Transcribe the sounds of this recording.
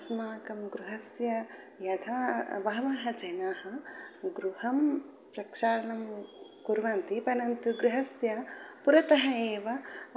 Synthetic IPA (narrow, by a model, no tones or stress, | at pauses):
smaːkɐmɡɾuɦɐsjɐ | jɐd̪ʰʱabɐɦɐʋaːɦɐd͡ʒɐjnaːhɐɡɾuhɐm | pɾɐkʂaːɾɐɳɐmkuɾʋant̪ipɐnɐnt̪uɡɾuɦɐsjɐpuɾɐt̪ɐɦɐeːʋɐ